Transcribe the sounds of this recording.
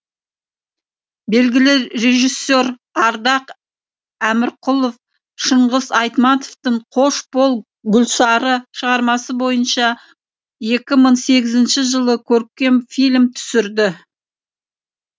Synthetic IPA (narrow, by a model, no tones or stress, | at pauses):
be̞lɡʲɪlɪɾe̞ʒisːeɾ | ɑɾd̪ɑq | æmɪɾqʰʊlˠof | ʃəɴʁəzɑjt̪mɑt̪oft̪əɴqʰo̞ʃbo̞lˠ | ɡʲʊlʲˠsɑɾəʃəʁɑɾmɑsəbo̞jənʃɑ | je̞kʲɪməɴse̞ɡʲɪzɪnʃɪʒəlˠəkʲʰɵɾk̚kʲːe̞mfijlʲmt̪ʰʏ̥sɪɾd̪ɪ